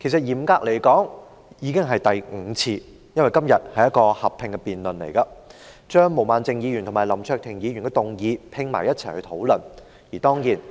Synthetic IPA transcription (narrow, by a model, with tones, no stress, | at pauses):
kʰe˨˩s̬ɐ˨t̚jiː˨˩mkaː˧k̚le˨˩jkɔː˨˥ŋ | jiː˨˧kɪ˥ŋɦɐ˨jt̪ɐ˨jŋ̩˨˧t͡sʰiː˧ | jɐ˥nwjkɐ˥mjɐ˨t̚hɐ˨jɐ˥t̚kɔː˧hɐ˨pʰːɪ˨˧ŋkɛ˧piː˨nlɵ˨nlḛ˨˩jkɐ˧t͡ʃœː˥ŋmo˨˩wmaː˨˧nt͡sɪ˨˧ŋjiː˨˧ɥyː˨˩nt̪ʰʊ˨˩maː˨˩lɐ˨˩mt͡ʃʰœː˧k̚t̪ʰɪ˨˩ŋjiː˨˧ɥy˨˩nkɛ˧t̪ʊ˨ŋjiː˨˧pʰɪ˧ŋma̰ː˨˩jɐ˥t̚t͡sʰɐ˨˩jhɵ˧t̪ʰo˨˧˥wlɵ˨n | jiː˨˩t̪ɔː˥ŋjiː˨˩n